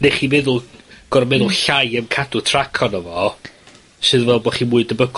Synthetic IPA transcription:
neχiːmɛðʊlˠɡ̥ɔɾɔmɛðʊlˠɬajəmkʰadʊtʰrakʰɔnəvɔ | sɨðvɛlˠbɔχiːmʊɨdəbəɡ

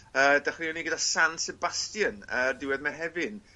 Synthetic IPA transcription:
əːdaχriɔniɡədasansɛbastjənərdɪwɛðmaɦɛvɨn

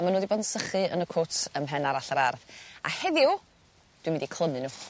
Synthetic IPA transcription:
manoːdiboːdnsəχɨə̰nəkʰotʰəmɦɛnaɾaɬəɾarða̰hɛðjʊ | d̥wimɪndikʰlˠəmɨnu

